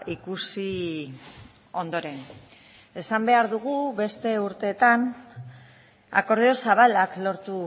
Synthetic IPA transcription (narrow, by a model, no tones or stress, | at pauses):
ikusi | o̞nd̪o̞ɾe̞n | e̞sambe̞aɾðuɣ̞uβe̞st̪e̞uɾt̪e̞ːt̪an | a̰ko̞ɾðeo̞saβalaklo̞ɾt̪u